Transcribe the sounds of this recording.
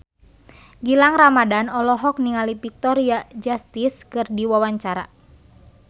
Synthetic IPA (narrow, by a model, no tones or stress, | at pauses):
ɡilaŋramadanɔlɔɦɔk̚niŋalipik̚t̪ɔɾiad͡ʒast̪iskɨrdiwawaɲt͡ʃaɾa̰